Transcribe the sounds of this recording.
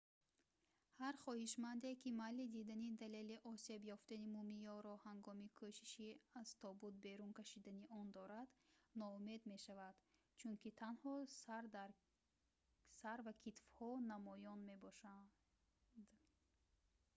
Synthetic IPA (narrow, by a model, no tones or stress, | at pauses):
haɾχɔhiʃmand̪ekimalid̪id̪anid̪ale̞liʔɔse̞bjɔft̪animumijɔɾɔhaŋɡɔmikʰoʃi̥ʃiaz̥t̪ʰɔbud̪̚be̞ɾunkaʃid̪aniʔɔnd̪ɔɾad̪nɔume̞d̪me̞ʃavad̪̥ | t͡ʃʰunkit̪ʰanhɔsaɾd̪aɾ | saɾvakʰit̪fhɔnamɔjɔnme̞bɔʃa | d̪̥